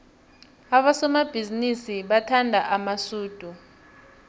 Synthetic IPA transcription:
aɓasɔmab̥ʱizinisiɓatʰandʱaʔamasuːd̥ʱu

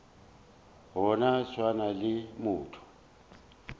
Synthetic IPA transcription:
ɦɔnat͡ʃʰwanalɪmuːtʰu̥

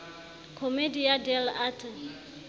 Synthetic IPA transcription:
kʰomedijadɛlatʰi

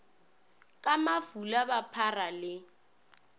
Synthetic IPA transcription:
kʼamafulabapʰaralɪ

